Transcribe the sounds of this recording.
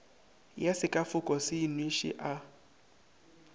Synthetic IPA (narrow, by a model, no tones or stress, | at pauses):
jasɪkʼafʊkʼɔsɪinweʃɪ̰ʔa